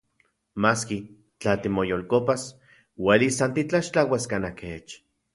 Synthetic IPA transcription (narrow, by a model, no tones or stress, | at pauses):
maːski | t͡ɬat̪imojolkopas | welisant̪it͡ɬaʃt͡ɬawaskanakeːt͡ʃ